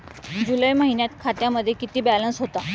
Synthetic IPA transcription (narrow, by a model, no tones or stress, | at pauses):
d͡ʑuləjməɦinjat̪kʰat̪jaməd̪ʱːjekit̪iːbælənsɦot̪a